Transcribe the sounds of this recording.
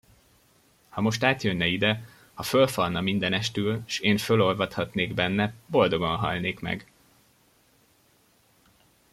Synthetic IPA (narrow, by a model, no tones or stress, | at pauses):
hɒmo̞ʃt̪aːt̪jønːɛid̪ɛ | hɒfølfɒlnɒmind̪ɛnɛʃt̪ylʃeːnfølo̞lvɒt̪hɒt̪neːɡbɛnːɛbo̞ld̪o̞ɡo̞nɦɒ̰lneːkmɛ̰ɡ